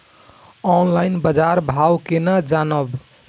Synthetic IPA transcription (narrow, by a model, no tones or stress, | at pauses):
ɔnlaɪnbəd͡ʒaɾbʱawkenad͡ʒanəb